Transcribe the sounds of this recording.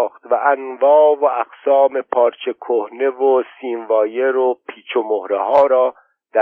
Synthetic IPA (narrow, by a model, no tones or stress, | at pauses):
xt̪væʔænvɒːvoæɡsɒːme̞pʰɒːɾt͡ʃʰe̞kʰohne̞vosiːnvɒːjeɾopʰiːt͡ʃʰomohɾehɒːɾɒː | d̪̥æ